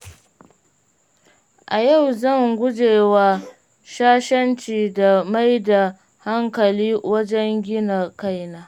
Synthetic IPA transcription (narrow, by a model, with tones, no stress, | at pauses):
ʔa˨ja˦˨wzɐ˦˨ŋɡʷʊ˦d͡ʒeː˨wa˦ | ʃaː˦ʃɐ˦nt͡ʃiː˨da˨ma˦jda˨ | ha˦ŋkɐ˨liː˦wɐ˦d͡ʒɛ˦ŋɡʲɪ˦na˨ka˦jnaː˦